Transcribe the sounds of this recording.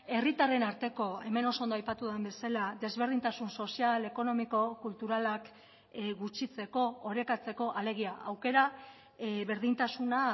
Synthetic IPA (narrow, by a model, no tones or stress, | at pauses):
e̞rit̪are̞naɾt̪e̞ko̞e̞me̞no̞sondoajpat̪uðembe̞salad̪e̞zβe̞ɾð̞int̪asunso̞siale̞ko̞no̞miko̞kult̪uɾalak | ɡut͡ʃit͡se̞ko̞ːɾe̞kat͡se̞ko̞ʔale̞ɣ̞iaʔawke̞ɾa | βe̞ɾðint̪asuna